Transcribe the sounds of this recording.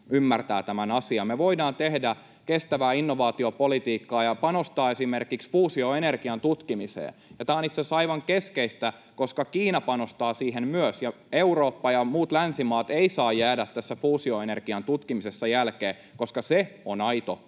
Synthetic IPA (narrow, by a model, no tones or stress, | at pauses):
ymːært̪æːt̪æmænɑsiɑmeʋoidɑːnt̪ehdæ | kest̪æʋæːinːoʋɑːt̪iopolit̪iːkːɑːjɑpɑnost̪ɑːesimerkiksfuːsioenerkiɑnt̪ut̪kimisḛːjɑt̪ɑːnit̪sesɑiʋɑŋkeskeist̪æ | koskɑkiːnɑpɑnost̪ɑːsiːɦemmyøsjɑ | euroːpːɑjɑmuːt̪lænsimɑːt̪eisɑːjːæːdæt̪t̪ːæsːæfuːsioenerkiɑnt̪ut̪kimisesːɑjælkeː | koskɑseonɑit̪o